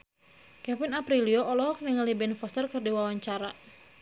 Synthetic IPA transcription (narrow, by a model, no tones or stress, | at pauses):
kɛfinapɾilioʔɔlɔɦɔk̚niŋalibɛnfɔst̪ərkɨrdiwawaɲt͡ʃaɾa